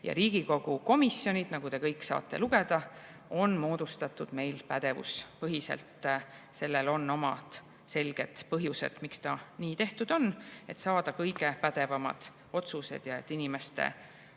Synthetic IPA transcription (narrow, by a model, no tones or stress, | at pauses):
jɑ̰ɾiːɡ̥iko̞ɡ̥uko̞misjo̞nʲid̪̥nɑɡ̥ut̪e̞kɤjkːsɑ̰ːt̪ːe̞̰luɡ̥e̞d̪̥ɑ | o̞nmo̞ːd̪̥ust̪ɑt̪ːˑud̪̥me̞jlpæd̪̥e̞vṵspɤɦise̞̰lt̪se̞lːe̞lo̞nːo̞mɑd̪̥ | se̞lɡ̥e̞d̪̥pɤɦjusḛd̪̥mikst̪ɑniːt̪e̞ht̪ud̪̥o̞ne̞t̪sɑːd̪̥ɑkɤjɡe̞pæd̪e̞vɑmɑ̰d̪̥ | o̞t̪suse̞̰d̪̥jɑe̞̰t̪ːinime̞st̪e̞̰